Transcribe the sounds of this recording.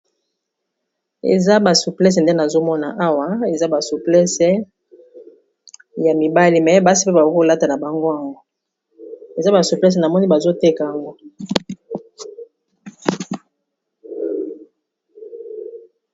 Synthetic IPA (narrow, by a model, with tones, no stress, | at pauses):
ḛ˨za˦ba˨su˨plɛ˦s̬nde˦na˨zo˦mɔ˦na˨ʔa˦wa˦e˨za˦ba˨su˨plɛ˦sɛ˦ | ja˨mi˨ba˦li˨mɛ˨ba˦si̥˦pe˦ba˨˦ko˦la˦ta˨na˨ba˨ŋɡo˦a˨ŋɡo˦ | e˨za˦ba˨su˨plɛ˦s̬ɛ˨na˨mɔ˦ni˦ba˨zo˦te˦ka˨a˨ŋɡo˦